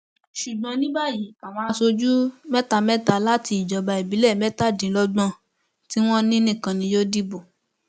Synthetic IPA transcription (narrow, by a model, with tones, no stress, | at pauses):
ʃu˨ɡ͡bɔ̃˧nĩ˦ba˦ji˨˦a˨w̃ɔ̃˧a˧so˧d͡ʒu˦mɛ˦ta˧mɛ̃˦ta˧˦la˦ti˧i˨d͡ʒɔ˨˦ba˧i˨bi˨˦lɛ˦˨mɛ˦ta˦˨dĩ˨˦lɔ˦ɡ͡bɔ̃˦˧ | ti˦w̃ɔ̃˦nĩ˦nĩ˦˨kã˧nĩ˧jo˦di˦bo˨